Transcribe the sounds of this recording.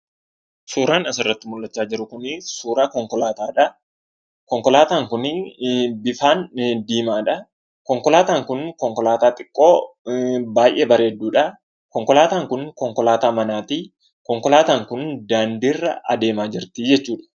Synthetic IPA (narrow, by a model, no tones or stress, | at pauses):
suːɾaːnɐsɪrːɐt̪ːɪmʊlːɐt͡ʃːaːd͡ʒɪɾʊkʊnɪsuːɾaːkɔŋkɔlaːt̪aːᶑɐ | kɔŋkɔlaːt̪aːŋkʊnɪbɪfaːnd̪iːmaːᶑɐ | kɔŋkɔlaːt̪aːŋkʊnkɔŋkɔlaːt̪aːt̪ʼɪkʼːo̞ː | baːjʔɛːbɐɾe̞ːd̪ːuːᶑɐ | kɔŋkɔlaːt̪aːŋkʊnkɔŋkɔlaːt̪aːmɐnaːt̪iː | kɔŋkɔlaːt̪aːŋkʊnd̪aːnd̪iːrːɐɐ̰d̪e̞ːmaːd͡ʒɪɾt̪id͡ʒɛt͡ʃːuːᶑɐ̥